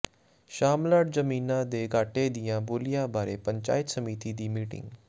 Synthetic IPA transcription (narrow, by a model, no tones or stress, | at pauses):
ʃaːmlaːɖzəmiːnãːd̪eːɡaːʈeːd̪ɪjãːboːlɪjãːbaːɾeːpəɲt͡ʃa̰ːɪt̪səmiːt̪iːd̪iːmiːʈɪ̰ŋɡ